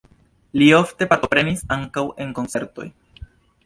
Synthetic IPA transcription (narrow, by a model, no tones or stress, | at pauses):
lio̞fte̞paɾto̞pɾe̞nisaŋkawe̞ŋko̞nt͡se̞ɾto̞̰j